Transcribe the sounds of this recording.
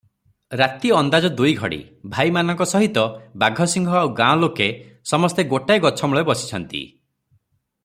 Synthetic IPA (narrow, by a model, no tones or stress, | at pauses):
ɾat̪iɔnd̪ad͡ʒɔd̪ujɡʱɔ̰ɽḭ | bʱajmanɔŋkɔsɔɦit̪ɔbaɡʱɔsiŋɡʱɔawɡãɔ̃loke | sɔmɔst̪eɡoʈajɡɔt͡ʃʰɔmuɭebɔsi̥t͡ʃʰɔnt̪ḭ